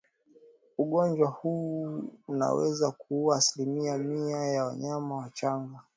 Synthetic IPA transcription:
uɠɔnd͡ʒwahu | una̰wɛzakuuaːsilimiamiajawaɲamawat͡ʃaŋɡa

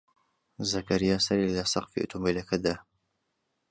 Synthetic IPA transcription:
zɐkɐɾijasɐɾilɐsɑqfḭʔṵt̪ʰumilɐkʰɐd̪a

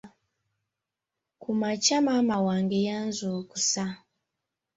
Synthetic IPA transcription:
kumat͡ʃamamawaŋɡɛjanzukusa

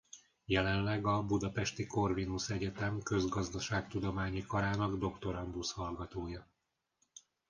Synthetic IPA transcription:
jɛlɛnlɛɡɒbud̪ɒpɛʃt̪iko̞rvinusɛɟɛt̪ɛmkø̞zɡɒzd̪ɒʃaːk̚t̪ud̪o̞maːɲikɒɾaːnɒɡd̪o̞kt̪o̞ɾɒnd̪ushɒlɡɒt̪oːjɒ

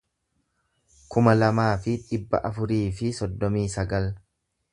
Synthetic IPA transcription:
kʊmɐlɐmaːfɪᶑɪbːɐ̰ʔɐfʊɾiːfɪsɔd̪ːɔmiːsɐɡɐl

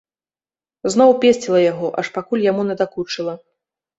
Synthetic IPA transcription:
znɔwpʲesʲt͡sʲilˠɐjaɣɔʔɐʂpakulʲjamunʲɛd̪akut͡ʂɨlˠɐ

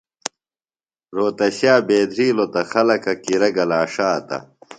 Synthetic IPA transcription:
ɾoːt̪ɐɕaːbeːd̪ɾiːlot̪ɐxɐlɐkɐkiɾɐɡɐlaːʂaːt̪ɐ̰

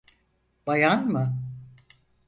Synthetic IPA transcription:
b̥ajanmɯ

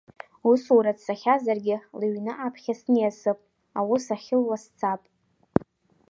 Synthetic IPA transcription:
uswuɾatsaχʲazarɡʲɪlɨɥnɨʔapʰχʲasnijasɨpʼ | awusaχʲɪlwast͡sʰapʼ

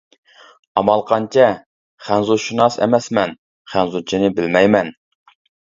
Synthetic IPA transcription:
ɑmɑlˠqʰɑnt͡ʃʰɛ | χænzuʃunɑsɛ̰mɛsmɛn | χænzut͡ʃʰinɪbɪlmɛjmɛn

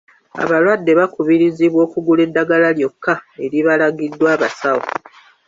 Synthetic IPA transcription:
a̰βalwadːe̞βakuβiɾiziβwo̞ːkuɡule̞dːaɡalaljo̞kʰːae̞ɾiβalaɡidːwaːβasawo̰

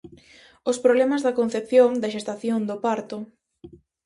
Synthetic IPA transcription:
ʊspɾoβlɛmɐzðɐkon̟θep̚θjoŋd̪ɐʃest̪aθjoŋd̪opaɾt̪ʊ

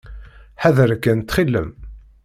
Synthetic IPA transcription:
ħaðəɾkːænt̪ːχilːə̰m

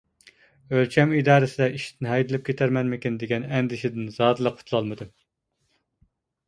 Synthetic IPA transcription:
ølt͡ʃʰɛmid̪ɑːɾɨsɪd̪ɛʔiʃt̪ʰɪnɦɛjd̪ɪlˠɪp̚kʲʰet̪ʰæɾmɛnmɪkʲind̪eɡʲɛnɛnd̪ɪʃɪd̪ɪnzɑːd̪ɨlˠəq̚ʰʊ̥t̪ʰlˠɑlˠmɨd̪ɨ

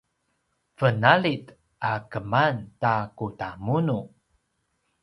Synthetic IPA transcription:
fənalit | akəmantakutamunu

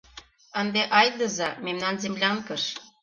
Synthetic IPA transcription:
ənd̪eʔɑjd̪əzɑmemnɑnzemlʲɑŋkəʃ

